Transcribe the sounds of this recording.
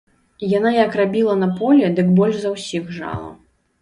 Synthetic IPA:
janajɐkrabʲilˠɐnɐpɔlʲɛd̪ɨkbɔlʲʐzɐwsʲixʐa̰lˠɐ̰

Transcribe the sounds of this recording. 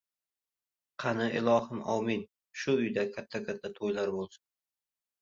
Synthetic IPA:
qʰɑnɪʔɪlˠɒhɪmʔɒ̰min | ʃʊʊjd̪akʲʰat̪ʰːakʰʲat̪ʰːat̪ʰojlaɾbolˠsʊ̥n

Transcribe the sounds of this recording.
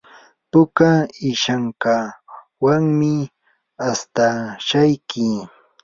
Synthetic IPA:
pʊkaɪʃaŋka | waŋmɪ | ast̪aʃajkɪ

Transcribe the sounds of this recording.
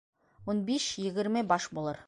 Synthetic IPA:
wonbeʃjɪ̆ɡʲɪɾmɘbɑʃbolˠɤɾ

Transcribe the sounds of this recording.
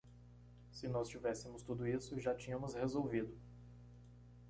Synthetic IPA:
sɪnɔst͡ʃivɛsɪmʊst̪ud̪ʊisʊʒat͡ʃĩɲɐ̃mʊshezowvid̪ʊ

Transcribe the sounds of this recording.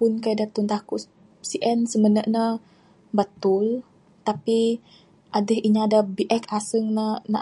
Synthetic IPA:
pʊnkaadat̪unt̪ahku | siʔɛnsəmənəʔnə | bət̪ʊl | t̪api | ʔadəhiɲaːdabiʔɛkasəŋnəna̰

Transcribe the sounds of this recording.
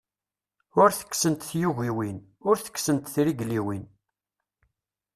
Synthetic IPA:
ʊɾθə̥kːsənt̪θjuʝiwin | ʊɾθə̥kːsənt̪θɾiɡliwin

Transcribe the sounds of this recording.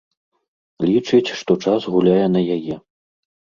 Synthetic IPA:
lʲit͡ʂɨt͡sʲʂt̪ɔt͡ʂasɣulʲajɛnɐjajɛ

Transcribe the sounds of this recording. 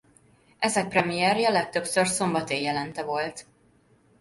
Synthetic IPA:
ʔɛzɛk̚prɛmijɛrjɒlɛk̚t̪ø̞psørso̞mbɒt̪eːjɛlɛnt̪ɛvo̞lt̪

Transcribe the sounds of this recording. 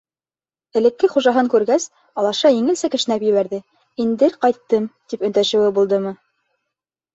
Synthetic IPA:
ɘ̆lɘ̆kːɘχuʒɑɦɤŋkʉɾɡæs | ɑlˠɑʃɑjɘ̆ŋɘ̆lsækɘ̆ʃɘ̆næpjɘ̆βæɾðɘ | ind̪ɘɾqɑjt̪ːɤmt̪ipɵ̆nt̪æʃɘ̆wɘbulˠd̪ɤmɤ

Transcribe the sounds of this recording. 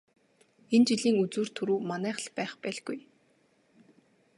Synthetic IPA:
ent͡ɕiɮiːŋut͡suːr̥t̪ʰɵɾuːmanæːχə̆ɮpæːχpæːɮɡuj

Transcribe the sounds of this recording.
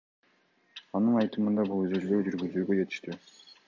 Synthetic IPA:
ɑnɯnɑjt̪ɯmɯnd̪ɑbulˠøzøzd̪øwd͡ʒyɾɡyzyːɡø̞d͡ʒe̞t̪i̥ʃt̪i

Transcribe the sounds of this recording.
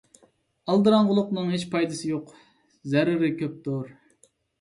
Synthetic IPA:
ɑlˠd̪ɨɾɑŋʁʊlˠʊqnɨŋɦet͡ʃpʰɑjd̪ɨsɨjoq | zɛɾɪɾɪkʲʰøp̚t̪ʰʊɾ

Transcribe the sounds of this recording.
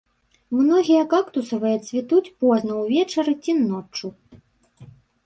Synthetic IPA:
mnɔɣʲijɐkakt̪usɐvɨjɐt̪sʲvʲit̪ut͡sʲpɔznɐwvʲɛt͡ʂɐɾɨt͡sʲinɔt͡ʂu

